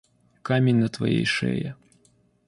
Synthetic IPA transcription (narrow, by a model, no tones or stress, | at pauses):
kamʲenʲnɐt̪vɐ̰jḛjʂɛ̰jɛ